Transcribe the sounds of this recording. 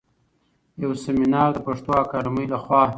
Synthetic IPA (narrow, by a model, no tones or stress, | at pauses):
jawsemɪnɑːɾd̪əpaʂt̪oakɑɾməjlaxwɑ